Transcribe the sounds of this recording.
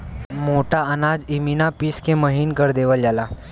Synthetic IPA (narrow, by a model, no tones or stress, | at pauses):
moʈaənad͡ziminapiskeməɦiːnkəɾd̪eʋəljala